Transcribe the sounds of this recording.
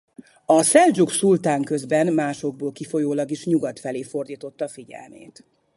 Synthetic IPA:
ɒsɛld͡ʒuksult̪aːŋkø̞zbɛnmaːʃo̞ɡ̚boːlkifo̞joːlɒɡiʃɲuɡɒt̪fɛleːfo̞rd̪iːt̪o̞t̪ːɒfiɟɛ̰lmḛːt̪

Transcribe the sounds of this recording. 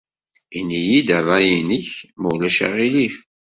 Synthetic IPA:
inːijid̪ævæjiniçmulæʃa̰ʁilif

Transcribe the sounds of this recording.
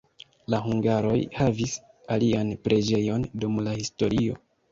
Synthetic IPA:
laɦuŋɡaɾo̞jhavis | alianpɾʔe̞d͡ʒe̞jo̞ndumlahisto̞ɾʔio̞̰

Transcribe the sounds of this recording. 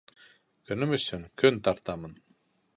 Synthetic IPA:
kʰynymysyŋkʰynt̪ʰɑɾt̪ɑmɯn

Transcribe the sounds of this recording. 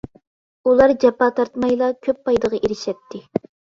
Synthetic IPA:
ulˠɑɾd͡ʒɑpɑt̪ʰɑɾt̪mɑjlˠɑkʲʰøpːɑjd̪əʁɑʔeɾɪʃɛp̚t̪ʰːɪ

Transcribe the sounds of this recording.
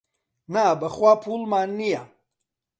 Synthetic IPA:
nabəχwapʰulmaːnːija

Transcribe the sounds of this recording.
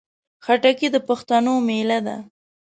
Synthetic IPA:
xaʈakid̪əpaxt̪anomelad̪a̰

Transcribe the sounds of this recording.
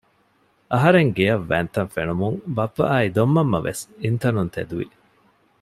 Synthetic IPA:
ʔɐɦɐɾeŋɡejɐʋːæ̰ːnt̪ɐnfenumuŋbɐpːɐ̰ʔaːid̪omːɐmːɐ̰ʋʔḛsint̪ɐnunt̪ʰḛd̪uʋḭ

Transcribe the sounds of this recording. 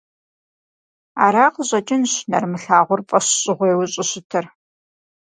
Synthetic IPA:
a̰ːɾaːqʑʼɐt͡ʃʼɪnɕnɐ̰rmɨɬaːʁʷʊrpʼɐɕɕʼɪʁʷeːwʊɕʼɪɕɪtʰɐr

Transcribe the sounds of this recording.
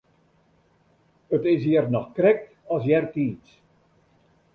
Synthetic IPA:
ətɪsjiːərnɔxkrɛk̚t | ɔsjɛrtiːt͡s

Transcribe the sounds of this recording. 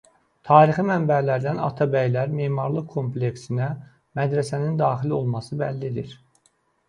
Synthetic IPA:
t̪ʰɑːɾiximæmbælæɾd̪ænɑ̰t̪ʰɑbæjlæɾme̞ːmɑɾlˠɯkʰo̞mple̞ksinæ | mæd̪ɾæsænind̪ɑːχilo̞lˠmɑsɯbælːid̪ḭɾ

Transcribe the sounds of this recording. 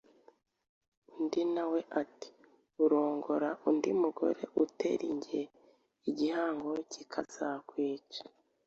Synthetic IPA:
ndinawe̞ʔati̥ | uɾo̞ːŋɡo̞ɾaʔundimuɡo̞̰ɾe̞̰ʔutḛɾiɲɟie | iɟihaːŋɡo̞cikʰaz̥akwiːt͡ʃḁ

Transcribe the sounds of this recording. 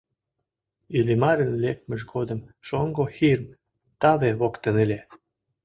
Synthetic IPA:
ylʲimɑɾə̆nlek̚mə̆ʃɡod̪ə̆mʃoŋɡoxirm | t̪ɑβeβokt̪ə̆nelʲe

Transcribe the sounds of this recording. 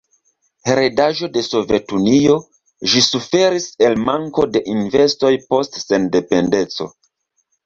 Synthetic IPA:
heɾedaʒo̞de̞so̞ve̞tunio̞ | ʒisufe̞ɾise̞lmaŋko̞de̞ʔinve̞sto̞jpo̞stse̞nde̞pe̞nde̞t͡so̞̰

